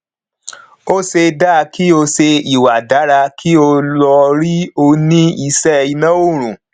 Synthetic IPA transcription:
o˦se˧daː˦˨˧ki˦o˧se˧i˨wa˨da˨˦ɾa˧kʰi˦o˧lɔ˧ɾi˦o˧nĩ˦i˧sɛ˦˧i˧nã˦o˦˨ɾ̃ũ˨

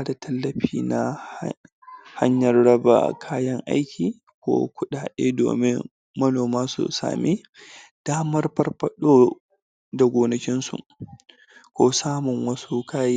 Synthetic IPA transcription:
a˦da˨tʰɐ˦lːɐ˨ɸiː˨na˨ | ha̰˦ɲjɐ˨rɽɐ˦ba̰˨kʰaː˦jɐ˦ŋʔa̰˦jkʲiː˨ | kʷo̰ː˦kʷʊ˦ɗaː˨ɗḛː˦do̰ː˨mɪ˦ŋ | mɐ˦noː˨maː˦sṵ˨sa̰ː˨mi˦ | d̥aː˦mɐ˦rɸɐ˦rɸɐ˦ɗoː˦ | da˨ɡʷoː˨nɐ˨kʲɪ˦nsṵ˨ʔ | kʷoː˦saː˦mʊ˨ŋwɐ˦su˦kʰaː˦j

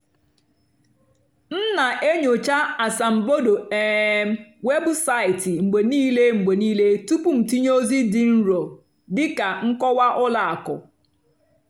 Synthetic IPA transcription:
n̩˦na˨ʔe˦ɲo˨t͡ʃa˦a˨sa˨m̩˨bo˦do˨e˨˦m˦we˦bʊ˦sa˦ɪ˨tɪ˨ŋ͡m̩˨ɡ͡be˨niː˦le˦ŋ͡m̩˨ɡ͡be˨niː˦le˦tu˦pu˦˨m̩˨ti˦ɲ˦o˦zi˦dɪ˨n̩˦ɾo˨ | dɪ˦ka˨ŋ̩˦kɔ˦wa˦ʔʊ˦la˨a˨kʊ̰˨

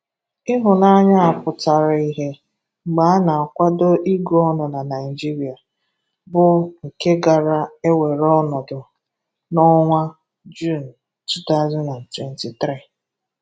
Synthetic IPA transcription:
ɪ˦ɦʊ˨na˦ɲa˦a˨pʊ˨ta˨ɾa˨i˨ɦe˦ | ŋ͡m̩˨ɡ͡ba˨˦a˦na˨a˨kʷa˦do˦ʔi˦ɡu˨˦ɔ˦nɔ˨na˨na˨ɪ˨d͡ʒi˦ɾi˨a˨ | bʊ˦ŋ̩˨ke˦ɡa˨ɾa˦e˦we˨ɾɔ˦nɔ˨dʊ˨ | nɔ˦ŋʷa˦ | d͡ʒu˦˨n˨ | tu˦ta˦zɔ˦nna˨n̩˨twɛ˨n˦ti˨tɾi˦˨

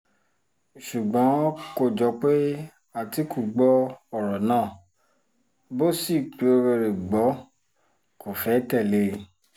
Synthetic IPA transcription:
ʃu˨ɡ͡bɔ̃˨˦ko˦˨d͡ʒɔ˨˧˦k͡pe˦ | a˦˨ti˨˦ku˦˨ɡ͡bɔ˦ɔ˦˨ɾɔ˨nãː˦˨ | bo˦si˦˨k͡pe˨˦o˧ɾe˧ɾe˨ɡ͡bɔ˨˦ | ko˨fɛ˨˦tɛ˦˨le˧

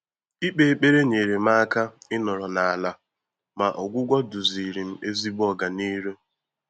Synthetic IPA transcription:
i˦k͡pe˨k͡pe˦ɾe˦ɲe˨ɾe˨m̩˦a˦a˦ka˦ɪ˦nɔ˨ɾɔ˨na˨a˨la˦ | ma˨ʔɔ˨ɡʷʊ˦ɡʷɔ˦dʊ˨zi˨ɾi˨m̩˦e˦zi˦bɔ˦ɡa˨niː˦ɾe˦

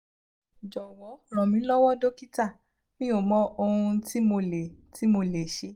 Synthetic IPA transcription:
d͡ʒɔ˨wɔ˨˦ɾ̃ɔ̃˨mĩ˨˦lɔ˦wɔ˦do˦ki˦ta˦˨ | mĩ˦o˨mɔ̃˦o˧hũ˧ti˦mo˧˨le˨ti˦mo˧le˨ʃe˨˦

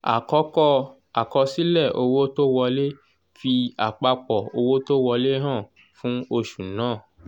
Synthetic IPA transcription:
a̰˨kɔ˨˦kɔ˦ | a˨kɔ˧si˦lɛ˦˨o˧wo˦to˦wɔ˧le˦ | fi˧a˨k͡pa˧k͡pɔ˨o˧wo˦to˦wɔ˧le˦ɦã˦˨ | fũ˦o˧ʃu˨nãː˦˨

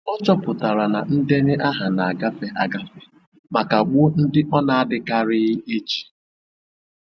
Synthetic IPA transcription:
ɔ˦t͡ʃɔ˦pʊ˨ta˨ɾa˨na˨n̩˦de˦nɪ˦ʔa˦ɦa˨na˨a˨ɡa˦fe˦ʔa˨ɡa˦fe˨ | ma˨ka˨ɡ͡bʊ˦n̩˦dɪ˦ʔɔ˦na˨a˦dɪ˦ka˦ɾɪ˦ɣe˦t͡ʃi̥˨

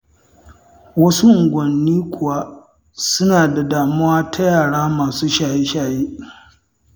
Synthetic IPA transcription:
wɐ˦su˦ʔʊ˨ɡʷɐ˨nːiː˦kʷʰʊ˨wa˦ | sʊ˦naː˨da˨daː˨mʊ˦waː˦tʰa˦jaː˨ɽaː˦maː˨suː˦ʃaː˨ji˦ʃaː˨jiː˦

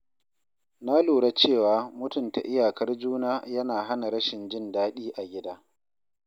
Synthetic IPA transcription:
na˦luː˨ɽa˦t͡ʃeː˦˨waː˨˦mʊ˦tʊ˨nta̰˨ʔɪ˦jaː˨kɐ˦rd͡ʒuː˦naː˦jɐ˦naː˨ɦa˦na˨ɾɐ˦ʃɪ˨nd͡ʒɪ˦ndaː˦ɗiː˦ʔa˨ɡʲɪ˦daː˦

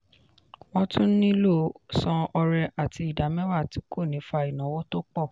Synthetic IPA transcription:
w̃ɔ̃˦tũ˦n̩˦nĩ˦lo˦˨sɔ̃˧ɔ˧ɾɛ˧ʔa˨tʰi˧˦i˨da˨˦mɛ̃˦wa˦˨ti˨˦kʰo˦˨nĩ˨˦fa˧i˨nã˨˦wo˦to˦k͡pɔ˦˨

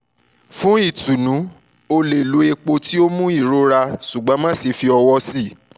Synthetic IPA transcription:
fũ˦i˦˨tu˨nũ˨˦ | o˧le˨lu˨˦e˧k͡po˧ti˦o˦mũ˦i˦˨ɾo˦ɾa˧ʃu˨ɡ͡bɔ̃˨˦mã˦si˨˧fi˧ɔ˧wɔ˧si˦˨

